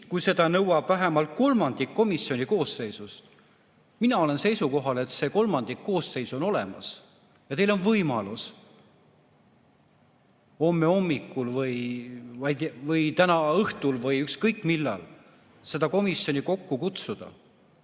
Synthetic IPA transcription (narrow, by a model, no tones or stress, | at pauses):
kujse̞d̪̥ɑnɤwɑb̥væɦemɑlt̪̚ko̞lmɑnd̪̥ikːo̞misio̞nʲiko̞ːsːe̞jsust̪ | minɑo̞le̞nse̞jsuko̞ɦɑle̞t̪se̞ko̞lmɑnd̪̥ikːo̞ːsːe̞jsuono̞le̞̰mɑ̰s | jɑt̪e̞jlo̞nvɤjmɑ̰lus | o̞mːe̞o̞mːikːˑulvɤjvɑjd̪vɤjt̪ænɑɤht̪ulvɤjykskɤjkːˑmilːɑ̰l | se̞d̪̥ɑko̞misjo̞nʲiko̞kːukut̪sud̪̥ɑ̰